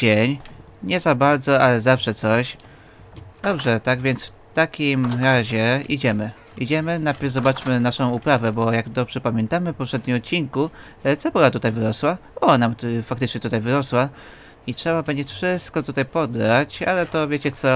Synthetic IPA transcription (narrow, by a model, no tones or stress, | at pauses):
d͡ʑeɲ | ɲɛzabaɾd̪zɔalɛzafʂɛt̪sɔɕ | d̪̥ɔbʐɛt̪aɡvʲjɛnsf | t̪akʲimɾaʑɛid͡ʑɛmɘ | id͡ʑɛmɘnajpʲɛvzɔbat͡ʂmɘnaʂɔ̃w̃upɾavɛbɔjaɡd̪ɔbʐɛpamʲjɛnt̪amɘpɔpʂɛd̪̚ɲimɔt̪̚t͡ɕːiŋku | t̪sɛpɔɾat̪ut̪ajvɘɾɔswa | ɔnamfak̚t̪ɘt͡ʂɲɛt̪ut̪ajvɘɾɔswa | itʂɛbabɛɲd͡ʑɛfʂɘst̪kɔt̪ut̪ajpɔd̪ːat͡ɕa̰lɛt̪ɔvʲjet͡ɕɛt̪sɔ